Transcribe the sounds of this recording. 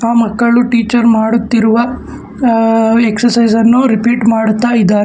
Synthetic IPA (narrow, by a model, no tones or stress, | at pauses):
aːmɐkːɐɭuʈiːt͡ʃɐɾmaːɽut̪ːiɾuʋɐ | eksɐɾsɐjzɐnːuɾipiːʈmaːɽut̪ːaːjid̪ːaːɾ